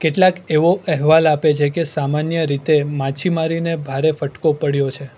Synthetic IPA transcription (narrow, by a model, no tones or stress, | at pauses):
keʈlakeʋoʔɛɦʋalapet͡ʃʰekesamanjəɾit̪emat͡ʃʰimaɾinebʱaɾefəʈkopəɽjot͡ʃʰe